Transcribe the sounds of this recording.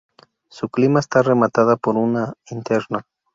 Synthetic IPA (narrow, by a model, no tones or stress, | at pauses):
suklimaest̪are̞mat̪aðapo̞ɾunaint̪e̞ɾna